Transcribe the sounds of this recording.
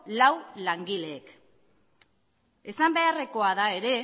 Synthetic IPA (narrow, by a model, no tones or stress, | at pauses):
lawlaŋɡile̞ːk | e̞sambe̞are̞ko̞aðae̞ɾe̞